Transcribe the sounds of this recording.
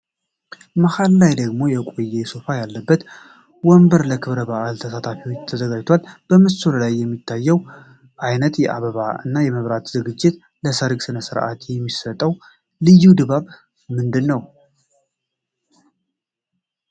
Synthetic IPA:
məhalːajd̪əɡmo̞jɛkʷʼojːesofajalːəbːət̪ | wɔmbəɾləkʰɨβɾəβaʔalt̪ʰəsat̪ʰafiwot͡ʃːt̪ʰəzəɡad͡ʒt̪ʰwalb̥əmɨsuɾlajːɛmːit̪ʰːajːɛw | ʔajnət̪jɛʔa̰βəβaɨ̰nːajɛməβɾat̪zɨɡɨd͡ʒːɪt̪ | ləsəɾɡsɨnəsɨɾʔa̰t̪jɛmːisət̪ʼːəw | lɨjːud̪ɨβaβ | mɨnd̪ɨnːəw

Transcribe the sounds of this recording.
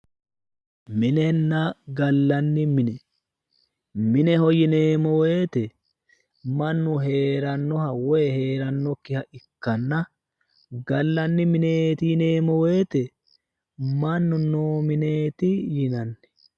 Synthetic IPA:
mɪnɛnːɐɡɐlːɐnːɪmɪnɛ | mɪnɛhɔjɪne̞ːmɔwe̞ːt̪ɛ | mɐnːʊɦe̞ːɾɐnːɔhɐwɔjɛhe̞ːɾɐnːɔkːɪhɐʔɪkːɐnːɐ | ɡɐlːɐnːɪmɪneːt̪ɪjɪneːmɔwe̞ːt̪ɛ | mɐnːʊnoːmɪneːt̪ɪjɪnɐnːɛ̥

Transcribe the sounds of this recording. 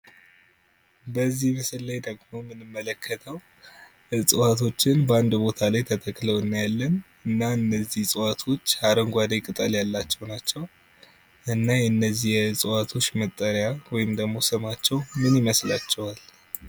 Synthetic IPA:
bəzːihmɨsɨllajd̪əɡmo̞mɨnɨmːələkʰːət̪ʰəw | ɨsʼɨwat̪ʰo̞t͡ʃːɪnbəand̪bo̞t̪ʰalajt̪ʰət̪ʰəkləwɨnːajalːən | ɨnːaɨnːəzːihsʼɨwat̪ʰo̞t͡ʃːaɾəŋɡʷad̪ajkʼɨt̪ʼəljalːat͡ʃːɛwnat͡ʃːɛw | ʔɨnːajɛɨnːəzːihjɛɨsʼɨwat̪ʰo̞t͡ʃːmət̪ʼːəɾjawɔjɪmd̪əɡmo̞sɨmat͡ʃːɛwmɨnjiməslat͡ʃːɛwal

